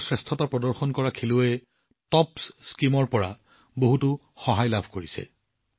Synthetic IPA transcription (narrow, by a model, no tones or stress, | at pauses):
sɹɛstʰɔtapɹɔdɔɹxɔnkɔɹakʰilʊɛ | tɔpsskimɔɹpɔɹa | boɦutʊ | xɔɦajlabʱkoɹisɛ̰